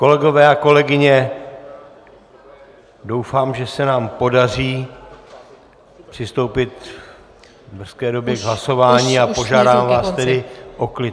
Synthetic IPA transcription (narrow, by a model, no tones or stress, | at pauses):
ko̞lɛɡo̞vɛːako̞lɛɡɪɲɛ | do̞wfaːmʒɛsɛnaːmpo̞dar̝iː | pr̥ɪst̪o̞wpɪt̪ | br̩skɛːdo̞bjɛɡɦlaso̞vaːɲiːapo̞ʒaːdaːmvaːst̪ɛdɪʔo̞klɪ